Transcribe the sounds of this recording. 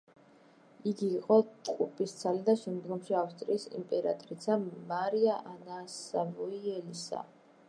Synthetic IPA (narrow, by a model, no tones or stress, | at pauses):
iɡiːqʼɔt̪ʼqʼupʼist̪sʰalid̪aʃɛmd̪ɡɔmʃiafst̪ʼɾiːsḭmpʼɛɾa̰t̪ʼɾit̪sʰamaɾiaʔanasavuiɛlisa̰